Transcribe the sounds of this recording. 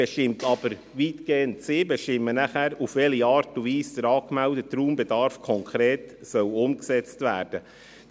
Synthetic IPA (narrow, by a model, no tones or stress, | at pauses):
ɛʃtɪmtɑbəɾ | ʋiːtɡ̥eːəntsɪːbɛʃtɪmːənæχæːɾufʋɛliɑːɾtuviːsd̥̪əɾɑːkmɛldətːɾuːmbɛdɑɾfkʰɔŋkʰɾeːtsœlʊmksɛt͡stʋæːɾd̥ə